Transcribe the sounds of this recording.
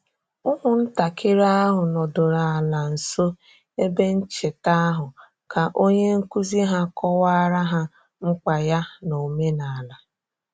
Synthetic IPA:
ʊ˦ɦʊ˨n̩˦ta˨kʰɪ˦ɾa˦a˦ɦʊ˨nɔ˨dʊ˨ɾa˨a˨la˨n̩˨so˦ | e˦be˦n̩˦t͡ʃe˨ta˦a˦ɦʊ˨ | ka˨ʔo˦ɲe˦ŋ̩˦ku˦zi˦ɦa˦kʰɔ˦wa˦a˦ɾa˦ɦa˦ | ŋ͡m̩˦k͡pa˨ja˦no˨me˦na˨a˨la˨

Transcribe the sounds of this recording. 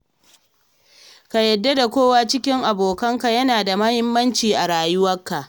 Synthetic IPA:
ka˨jɐ˨dːa˦da˨kʷoː˦wa˦t͡ʃɪ˦kʲɪ˦ŋʔa˨boː˨kɐ˦ŋka˨jɐ˦naː˨da˨mɐ˦hɪ˦mːɐ˦nt͡ʃiː˨ʔa˨ɾaː˨jʊ˦wɐ˦kːa˨ʔ

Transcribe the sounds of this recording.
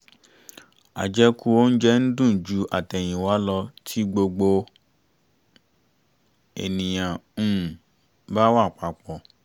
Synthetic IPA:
a̰˨d͡ʒɛ˧ku˦o˦n̩˦d͡ʒɛ˦n̩˦dũ˦˨d͡ʒu˨˦ʔa˨tɛ˨j̃ĩ˨wa˨˦lɔ˧tʰi˦ɡ͡bo˧ɡ͡bo˧ | ɛ˨nĩ˨j̃ã˨ũ˦˨ | ba˦wa˦˨k͡pa˨˦k͡pɔ˨

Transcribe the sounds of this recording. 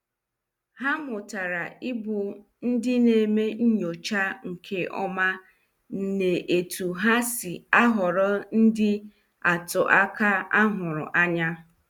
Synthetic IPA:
ha˦mʊ˨ta˨ɾa˨ɪ˦bʊ˨ | n̩˦dɪ˦ne˨me˦ɲ̩˦ɲo˨t͡ʃa˦ŋ̩˨kʰe˦ʔɔ̰˦ma˦ | n̩˨ne˨ʔe˨tu˨ɦa˦sɪ˨a˦ɦʊ˨ɾɔ˦n̩˦dɪ˦ | a˨tʊ˨ʔa˦ka˦a˦ɦʊ˨ɾʊ̰˨ʔa˦ɲa˦

